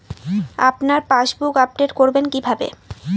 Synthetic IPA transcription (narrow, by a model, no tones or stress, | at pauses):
a̰pnaɾpaʃbukap̚ɖeʈkoɾbenkibʱabḛ